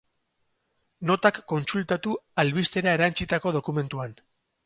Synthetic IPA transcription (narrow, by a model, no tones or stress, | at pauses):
no̞t̪akːo̞nsult̪at̪ualβist̪e̞ɾae̞ɾant͡ʃit̪ako̞ð̞o̞kume̞nt̪uan